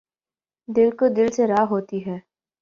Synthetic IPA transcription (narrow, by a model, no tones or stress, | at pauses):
d̪ɪlkod̪ɪlseɾaːɦoːt̪iɦɛː